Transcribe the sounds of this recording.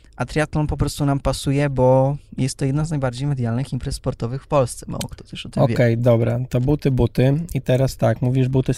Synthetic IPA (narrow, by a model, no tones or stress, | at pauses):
ʔat̪ɾʲiat̪lɔnpɔpɾɔst̪unampasujɛbɔjɛst̪ːɔjɛd̪naznajbaɾd͡ʑejmɛd̪jalnɘximpɾɛsːpɔɾt̪ɔvɘxfpɔlst̪sɛ̥ma̰wɔ̰kt̪ɔ̥t̪ɛʃɔt̪ɪmɔvʲjɛkɛjd̪ɔbɾat̪ɔbut̪ɘbut̪ɘit̪ɛɾast̪akmuvʲiʐbut̪ɘ